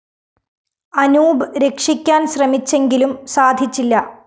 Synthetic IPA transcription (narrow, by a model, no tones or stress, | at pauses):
ɐnuːbɨɾe̞kʂikʲːaːnɕrɐmit͡ɕːe̞ŋɡilumsaːd̪ʱit͡ɕːilːɐ